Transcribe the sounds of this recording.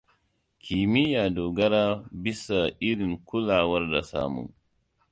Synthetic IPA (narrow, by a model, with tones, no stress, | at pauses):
kʲʰi˨mɪ˦jaː˨doː˨ɡɐ˦ɾaː˦bi˦sa˨ʔɪ˦ɽɪ˨ŋkʷʊ˦laː˨wɐ˦rda˨sa̰ː˦mṵ˨ŋ